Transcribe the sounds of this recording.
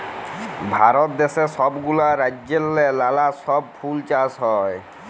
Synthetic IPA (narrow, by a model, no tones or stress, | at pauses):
bʱaɾɔt̪̚d̪ɛsɛsɔbɡulaɾad͡ʒelːɛlalasɔb̚pʰult͡ʃasɦɔj